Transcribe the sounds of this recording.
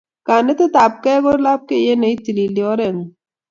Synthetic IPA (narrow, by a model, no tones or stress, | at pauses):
kaːnet̪et̪aːp̚keɡoɾlaːp̚kejenɐit̪ililioːɾeŋ